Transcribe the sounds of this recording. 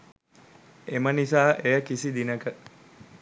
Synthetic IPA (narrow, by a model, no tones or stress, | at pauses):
emənisaːʔejəkisid̪inəkə